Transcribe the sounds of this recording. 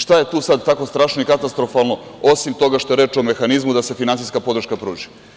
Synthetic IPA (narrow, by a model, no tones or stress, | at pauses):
ʃt̪aje̞t̪uːsad̪t̪ako̞st̪ɾaːʃnoikat̪ast̪ɾofalˠno̞o̞simt̪o̞ɡaʃt̪o̞eɾeːt͡ʃo̞me̞xanizmud̪ase̞finansijskapo̞d̪ɾ̩ʃkapɾuːʒi̥